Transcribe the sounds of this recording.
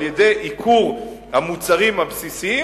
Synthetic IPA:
jede̞jʔikʰuʁhamut͡saʁimhabsisii

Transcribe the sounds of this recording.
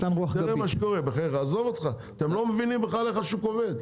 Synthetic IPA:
tanʁuaχʁemaʃekoʁebeχeʁaːzo̞vot̪χa | t̪emlo̞mevinimbeχaleχaʃukove̞d̪

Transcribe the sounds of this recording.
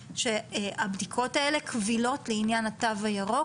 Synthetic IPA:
ʃeabdikʰo̞taele̞kʰvilo̞tleinjanatavajaʁo

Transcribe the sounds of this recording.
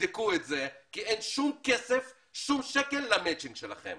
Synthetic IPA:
d̪ikuetzekienʃumkesef | ʃumʃekelːamet͡ʃiŋɡʃela̰χḛm

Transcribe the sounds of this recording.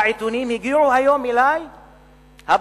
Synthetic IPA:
ʔit̪unimiɡuhajomilaj | hab

